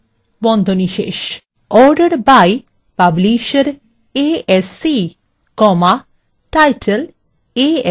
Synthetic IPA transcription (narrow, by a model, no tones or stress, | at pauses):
bɔnd̪ʱoniʃḛʃ | ɔɾɖəɾbaj | pabliʃeɾ | eesi | kɔma | ʈajʈʰel | e